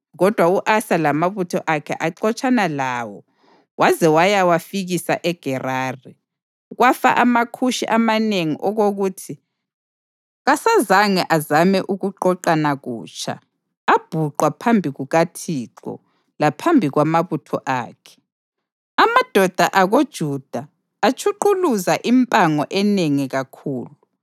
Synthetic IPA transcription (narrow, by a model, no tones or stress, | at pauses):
ɣɔd̥ʱwauʔasalamaβutʰɔʔakʰɛ̰ʔaǃɔt͡ʃʼanalaːwɔ | wʔazɛwajawafiɣisa̰ʔɛɡ̥ʱɛraːri | ɣwafa̰ʔamakʰuʃiʔamaneŋiʔɔɣoɣuːtʰi | ɣasazaŋɛʔazamɛʔuɣuǃɔǃanaɣṵːt͡ʃʼʰa̰ː | b̥ʱuǃwapʰambʱiɣuɣatʰiːǃɔ̰ | lapʰambʱiɣwamaβutʰɔ̰ʔa̰ːkʰɛ̥ | amad̥ʱɔd̥ʱaʔaɣod̥ʒ̥ʱud̥ʱaː | t͡ʃʰuǃuluzaʔimpʼaŋɔʔɛneŋiɣakʰuːlu